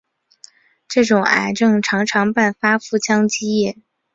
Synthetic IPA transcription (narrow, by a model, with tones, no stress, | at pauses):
ʈ͡ʂɤ˥˩ʈ͡ʂʊ˨˩ŋa̰˧˥˩ɪʈ͡ʂɤ˥˩ŋʈ͡ʂʰɑ˧˥ŋʈ͡ʂʰɑ˧˥ŋpa˥˩nfa˥fu˥˩t͡ɕʰjɑ˥ŋt͡ɕi˥jɛ˥˩